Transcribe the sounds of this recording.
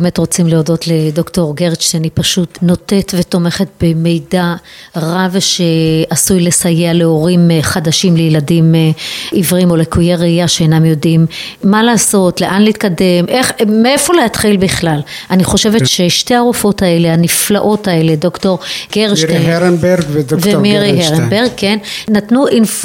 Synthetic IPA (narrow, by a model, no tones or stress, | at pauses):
bebmetʁo̞t͡simleodo̞t̪led̪o̞kto̞ʁɡeʁʃtnipaʃutno̞t̪e̞tve̞to̞me̞χet̚be̞me̞jda | ʁavʃe̞asujle̞sajealeo̞ʁimχad̪aʃimlejeladimivʁimo̞lekujeʁeijaʃeːnamjo̞dimː | alaːso̞tleʔanleiːt̪kade̞mʔe̞χmee̞fo̞leatχilbiχlalʔaniχo̞ʃe̞ve̞t̪ʃeʃte̞aʁufo̞tae̞leaniflaʔo̞tae̞le̞do̞kto̞ʁɡ̥eʁeeɾnbeɾɡvedovemiʁiɦeʁenbeʁɡ̚kːenːatnuʔinf